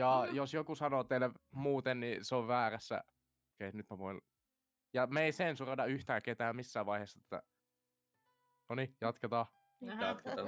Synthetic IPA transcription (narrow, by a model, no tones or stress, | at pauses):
jɑjosjokusɑnoːt̪elʋmuːt̪enniseoʋʋæːræsːæ̰ | keinyt̪mæʋoin | jɑmeisensurɑnɑyht̪æːket̪æːmmisːæːʋʋɑiheˑːsːɑet̪ːæ̰ | nonijɑt̪ket̪ɑː